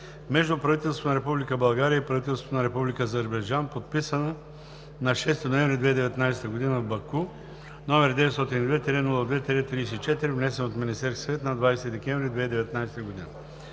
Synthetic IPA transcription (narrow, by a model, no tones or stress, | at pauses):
mɛʒd̪ʊpɾɐvit̪ɛlˠst̪vonɐɾɛpublikəbɐlˠɡaɾiəipɾɐvit̪ɛlˠst̪vonɐɾɛpublikəːzəɾbɐjd͡ʒanpot̪̚pisənə | nɐʃɛst̪inoɛ̃ɱvɾid̪vɛid̪ɛvɛt̪najsɛ̥t̪əɡod̪inəbɐku | nɔmɛɾd̪ɛvɛt̪st̪ɔt̪inid̪vɛt̪ːɛɾɛnulˠəd̪vɛt̪ɾɛt̪ɾiːsiːt͡ʃɛt̪iɾivnɛsɛnot̪minist̪ɛɾskʲsvɛt̪nɐd̪vajsɛt̪id̪ɛkʲɛɱ̃vɾid̪vɛid̪ɛvɛt̪najsɛt̪əɡod̪inə